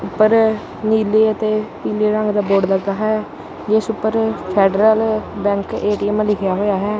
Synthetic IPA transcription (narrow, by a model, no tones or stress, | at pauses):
ʊpːəɾ | niːleːət̪eːpiːleːɾə̃ŋɡd̪aːboːɖləɡd̪aːɦɛː | d͡ʒesʊpːəɾpʰeːɖɾəlbɛ̃ːŋkeːʈiːɛmlɪkʰjaːɦoːjaːɦɛː